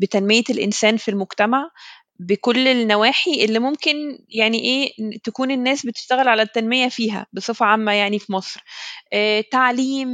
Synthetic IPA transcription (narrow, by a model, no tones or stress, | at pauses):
bet̪ænmejelʔḛnsæːnfilmoɡt̪æmaʕ | bekolːelnːæwæːħiʔelːimomkenjaʕniʔeːt̪ækuːnenːæːsbet̪e̥ʃt̪æɣelʕalæt̪ːænmejæfiːɦæ̰besˤefʕamːæjaʕnifimɑsˤɾʔæːt̪aʕliːm